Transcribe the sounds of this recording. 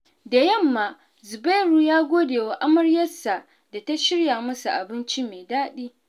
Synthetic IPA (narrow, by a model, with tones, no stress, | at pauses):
da˨jɐ˦˨mːaː˨ | zʊ˨ba˦jɾuː˨jaː˦ɡʷoː˦deː˨wa˨ʔa˦mɐ˦ɽjɐ˦sa˨ | da˨ta˦ʃɪ˦ɽjaː˨mɐ˦sa˨ʔa˨bɪ˦nt͡ʃi˦me˨daː˦ɗiː˦